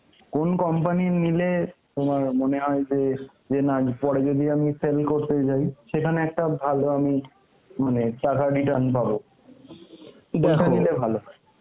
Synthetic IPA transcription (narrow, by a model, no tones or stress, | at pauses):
konkɔmpaninilet̪omaɾmoneɦɔed͡ʑe | d͡ʑenapɔɽed͡ʑod̪iamiselkoɾt̪et͡ɕajʃekʰaneɛk̚ʈabʱaloami | maneʈakaɖiʈanpabo | d̪ɛkʰanilebʱaloɦ